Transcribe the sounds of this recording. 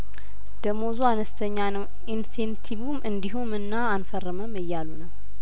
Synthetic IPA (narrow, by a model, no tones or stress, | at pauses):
d̪̥əmozuanəst̪ʰəɲːanəw | insent̪ʰiβumʔɨnd̪iɦumɨnːaːnfərːəməmɨjːalunəw